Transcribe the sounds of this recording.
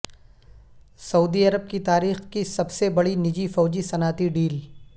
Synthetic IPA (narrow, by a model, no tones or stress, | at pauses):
sɐuːd̪iɐɾəb̚kit̪aːɾiːxkisɐbsebɐɽinɪd͡ʒifɔːd͡ʒisɐnaːt̪iɖiːl